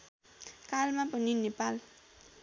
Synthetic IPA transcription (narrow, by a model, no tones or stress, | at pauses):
kalmapʌninepal